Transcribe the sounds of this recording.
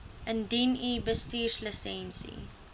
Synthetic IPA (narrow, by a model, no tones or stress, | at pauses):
ʔə̃ndiniːbəstiːʃləsɛ̃nsḭ